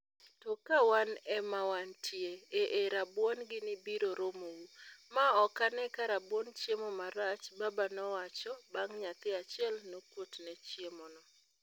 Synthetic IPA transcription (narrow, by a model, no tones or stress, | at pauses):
tɔkawanɛmawantʰjeeʔeɾabwɔnɡɪnɪbiɾoɾomowumaɔkanɛkaɾabwɔnt͡ʃjemɔmaɾat͡ʃbabanɔwat͡ʃɔbaŋɲat̪ɪat͡ʃɪɛlnokwotnɛt͡ʃjemɔnɔ